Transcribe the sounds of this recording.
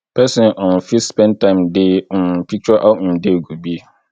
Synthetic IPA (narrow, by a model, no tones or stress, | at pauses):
pʰɛsɪ̃nʔɔ̃nfispɛ̃ntʰãɪ̃mdepʰik̚t͡ʃɔʔãdeɡubi